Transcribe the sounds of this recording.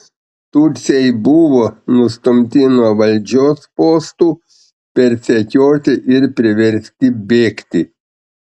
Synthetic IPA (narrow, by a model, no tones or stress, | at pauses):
t̪ʊɾʲt̪sʲɛjbʊʋoːnʊst̪ʊmʲt̪ʲɪnuɔʋɐlʲd͡ʒʲoːspoːst̪uː | pʲɛɾʲsʲɛkʲoːt̪ʲɪʔɪɾpʲɾʲɪʋʲɛɾʲsʲt̪ʲɪbʲeːkt̪ʲɪ